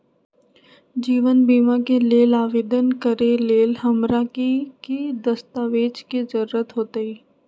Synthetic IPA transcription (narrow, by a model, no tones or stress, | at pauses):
d͡ʒiːʋənbiːmakeleːlaːʋeːd̪ənkəɾeleːlɦɐmɾakikid̪əst̪aːʋeːd͡ʒkezəɾuːɾət̪ɦoːt̪eiː